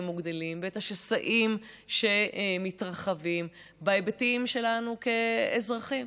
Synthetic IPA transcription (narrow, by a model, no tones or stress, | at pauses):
muɡd̪elimbetaʃesaʔimʃe̞mitʁaχavim | baebetiimʃe̞lanuke̞ːzʁaχim